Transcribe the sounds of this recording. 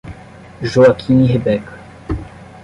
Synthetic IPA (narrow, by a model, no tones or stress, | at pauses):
ʒoakʰiniɦebɛk